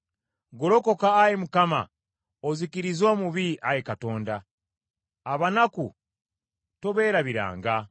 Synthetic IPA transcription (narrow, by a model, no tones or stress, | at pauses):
ɡo̞lo̞ko̞kaːjemukama̰ | ozikiɾizoːmuβiʔajekato̞ːndaː | βanaku | toβe̞ːɾaβiɾa̰ːŋɡa